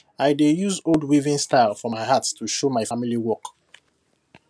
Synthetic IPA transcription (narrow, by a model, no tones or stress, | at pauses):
ajdejuzoldwivĩnstaɪlfɔmaɪɦattʰuʃomaɪfamiliwɔk